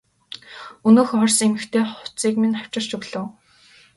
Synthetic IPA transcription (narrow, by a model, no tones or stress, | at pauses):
ɵnoːxɔrsemɘ̆kt̪ʰeːχʊ̥t͡siːkminaw̥t͡ɕɪ̆r̥t͡ɕɵɣɮɘ̆w